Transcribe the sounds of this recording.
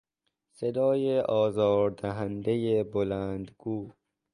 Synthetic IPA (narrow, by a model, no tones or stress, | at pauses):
sed̪ɒːjeʔɒːzɒːɾd̪æɦænd̪ejebolæːnd̪ɡuː